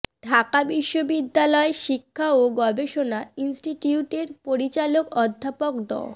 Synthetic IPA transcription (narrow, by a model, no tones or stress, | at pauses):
ɖʱakabiʃːobid̪ːalɔeʃikʰːaoɡɔbeʃonainsʈiʈiuʈeɾpoɾit͡ɕalokɔd̪ʱːapokd̪ɔ̰